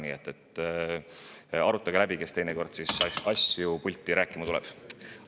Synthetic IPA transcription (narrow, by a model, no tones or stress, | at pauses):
nḭet̪ːˑet̪ː | ɑɾut̪ːˑɑɡelæbike̞st̪e̞jneko̞rd̪̥sisɑsjupulʲt̪ːˑiɾæːkːˑimɑt̪ulɛ̰b̥